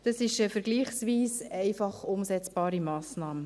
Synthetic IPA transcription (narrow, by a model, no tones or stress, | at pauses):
d̥ɑsɪʃɛfəɾɡ̥liːχsʋiːsɛɪfɑχʊmsɛt͡sb̥ɑːɾimɑːsnɑːmə